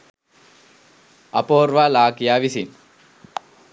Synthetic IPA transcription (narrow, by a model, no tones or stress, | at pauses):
ɐpoːɾʋaːlaːkijaːʋisin